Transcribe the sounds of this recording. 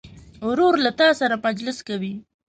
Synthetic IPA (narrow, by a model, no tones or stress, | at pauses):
ɾoɾlat̪ɑsaɾapad͡ʒlɪskawi